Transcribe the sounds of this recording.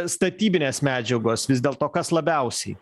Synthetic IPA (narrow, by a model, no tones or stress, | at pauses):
st̪ɐt̪ʲiːbʲɪnʲeːsmʲæːd͡ʒʲɛɡoːsʋʲɪzd̪ʲeːlˠt̪oːkɐslˠɐbʲæˑʊsʲɛɪ